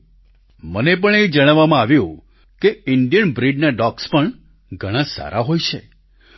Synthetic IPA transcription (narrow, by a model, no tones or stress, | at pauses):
mənepəɳed͡ʒəɽ̃aʋːamãaʋjũ | keɪɳɖijənbɾiɖnaɖɔkspəɳ | ɡʱəɽ̃ãsa̰ɾʔaɦojt͡ʃʰḛ